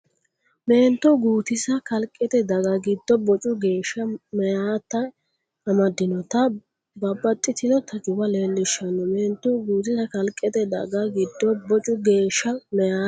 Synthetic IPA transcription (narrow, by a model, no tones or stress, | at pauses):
meːnt̪ːʊɡuːt̪ɪsɐkɐlkʼːɛt̪ɛd̪ɐɡɐɡɪd̪ːɔbɔt͡ʃʼʊɡe̞ːʃɐmɛjaːt̪ːɐ | ɐmɐd̪ːɪnɔt̪ɐ | bɐbːɐt̪ʼːɪt̪ɪnɔt̪ɐt͡ʃʊwɐle̞ːlːɪʃɐnɔmeːnt̪ːʊɡuːt̪ɪsɐkɐlkʼːɛt̪ɛd̪ɐ̰ɡɐɡɪd̪ːɔbɔt͡ʃʼʊɡe̞ːʃːɐmɛjaː